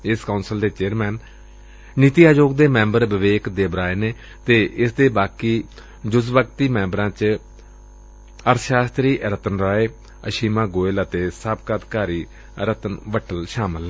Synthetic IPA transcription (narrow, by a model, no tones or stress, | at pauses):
ɪskaːnsəld̪eːt͡ʃeːɾmɛːn | nit̪iːaːd͡ʒoːɡd̪eːmɛ̃ːmbəɾʋɪʋeːkd̪eːbɾaːeːneː | t̪eːʔɪsd̪eːbaːkiː | d͡ʒʊsbəkt̪iːmɛ̃ːmbɾãːt͡ʃ | əɾʃaːst̪ɾiːʔɾət̪ənɾaːeː | ə̰ʃiːmãːɡoːɪlət̪eːsəbkət̪kaːɾiː | ɾət̪ənʋəʈʰəlʃaːməl